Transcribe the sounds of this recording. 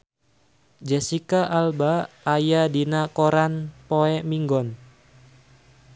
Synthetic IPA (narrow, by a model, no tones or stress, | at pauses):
d͡ʒɛsikaʔalbaː | jadinakɔɾanpoɛmiŋɡɔn